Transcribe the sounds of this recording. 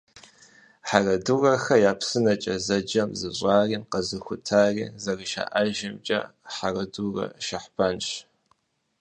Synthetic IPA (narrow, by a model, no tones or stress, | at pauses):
ħarɐdurɐxɐjaːpsɨnɐt͡ʃʼɐzɐd͡ʒɐmzɨɕʷʼɑːriːnqɐzɨxʷʊtʰaːrḭːzɐrɨʃa̰ːʔaʒɪmt͡ʃʼɐ̰ħarɐdurɐ̰ʃɐħb̥aːnɕ